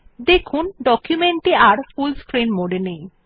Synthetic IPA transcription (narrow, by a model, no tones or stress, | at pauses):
d̪ekʰunɖɔkjumeɳʈiaɾfulskɾinmoɖenej